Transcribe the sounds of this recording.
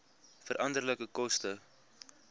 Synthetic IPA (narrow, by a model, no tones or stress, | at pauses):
fəɾʔɐndərləkəkɔstə